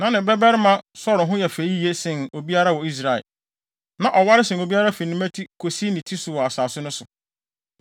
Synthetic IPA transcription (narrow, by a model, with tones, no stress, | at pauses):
nã˨nɪ̃˨bɾɛ˦bɛ˦ɾɪ˦mã˦sɔ˦ɾɪ˨ɦʊ̃˦jɛ˨fe˨˦i˦˨e˦sɪ̃˨no˨bi˦a˦ɾa˦˨wɔ˨i˦s̬ɾa˨ɛ̰˨l | nã˨ʔɔ˨wa˦ɾɪ˦sɪ̃˨n˨o˨bi˦a˦ɾa˦fe˨nĩ˦mæ˦tʰi˦kʰo˨si˦nɪ̃˨tʰi˦sʊ˨wɔ˨a˨saː˨sʊ˦nʊ̃˦sʊ˨